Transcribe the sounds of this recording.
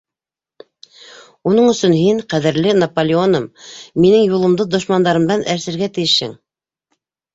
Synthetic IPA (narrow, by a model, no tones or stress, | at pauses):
unɤɴɵ̆sɵnɦiɴqæðɘ̆ɾlɘnɐpolʲɪonɤmːinɘŋjulˠɤ̆md̪ɤd̪ŏʃmɑnd̪ɑɾɤ̆md̪ɑnʔæɾsɘ̆ɾɡæt̪ɘ̆jɘʃhɘ̰ŋ